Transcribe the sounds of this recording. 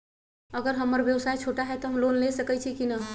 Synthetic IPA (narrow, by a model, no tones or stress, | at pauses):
əɡəɾɦəməɾʋjəwsajt͡ʃʰoʈaɦɛt̪ɔɦəmlonlesəkət͡ʃʰikinə